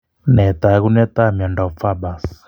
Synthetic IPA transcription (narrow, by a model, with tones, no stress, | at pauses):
nɛ˨t̪a˨˦ɣu˦nɛ˦t̪a˦˨mjɔ˨nda˨u˨p̪fa˦ba˨s